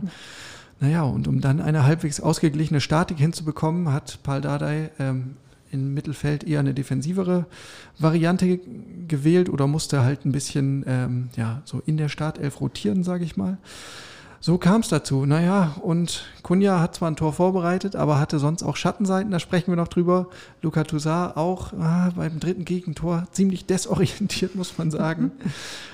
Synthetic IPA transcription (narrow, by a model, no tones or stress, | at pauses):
najaːʊ̰ntʊmdanʔa̰ɪnəɦalpv̥eːksʔa̰ʊsɡ̥əɡlɪçənəʃtaɐtɪkhɪnt͡subəkʰɔmənɦatpʰaldadaɪʔɛːm | ɪmːɪtl̩fɛltʔeːɐnədefɛnziːvəʁəvaʁiantəɡəvɛːltʔo̰ːdɐmʊstəhaltn̩bɪsçənʔɛːmjaːz̥o̰ːʔɪndeːɐʃtaɐtʔɛ̰lfʁoːtʰiːʁənzaːɡəɪçmaːl | z̥oːkʰaːmsd̥at͡suːnajaʊntkʰʊnjahat̚t͡sv̥aːɐntʰoːɐfoːɐbəʁaɪtətʔa̰ːbɐɦatəzɔnsta̰ʊxʃatn̩zaɪtn̩daːʃpʁ̥ɛçn̩viɐnɔχd̥ʁyːbɐ | lukatʰuzaːʔaʊχaːbaɪdmdʁɪtn̩ɡeːɡŋ̩tʰoːɐt͡siːmlɪçd̥ɛsʔɔʁiɛntʰiːɐtmʊsmanzaːɡŋ̩